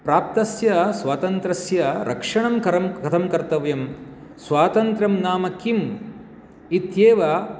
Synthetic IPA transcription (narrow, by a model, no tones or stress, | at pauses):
pɾaːp̚t̪ɐsjɐsʋaːt̪ɐnt̪ɾɐsjɐɾʔɐ̰kʂɐɳɐmkɐɾɐmkɐt̪ʰɐmkɐɾt̪ɐʋjɐm | sʋaːt̪ɐnt̪ɾɐmnaːmɐkim | it̪jeːʋaː